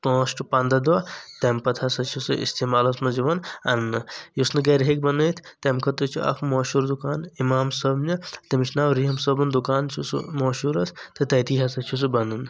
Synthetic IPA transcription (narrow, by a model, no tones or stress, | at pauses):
k̪õːʃʈupãːnd̪ɐd̪ʋat̪empɐt̪ʰɐsɐt͡ʃʰusɨʔḭst̪eːmaːlɐsmɐd͡ʒiʋɐnɐnːɨjusnɨɡɐɾɦek̚bɐnəːt̪ʰt̪emkʰɐt̪ɨt͡ʃʰiʔɐ̰kʰmoːʃuːɾd̪ukaːnimaːmsɐbnʲɐt̪ɐmiʃʰnaːwɾiɦɐmsɐbɐnd̪ukaːnt͡ʃʰusmoːʃuːɾɐst̪ɨt̪ɐjt̪iːɦɐsɐt͡ʃʰus̬ɨbɐnɨn